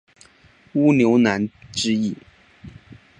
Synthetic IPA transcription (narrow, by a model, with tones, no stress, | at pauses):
u˥njo˧˥ʊna˧˥nʈ͡ʂɻ̩˥i˥˩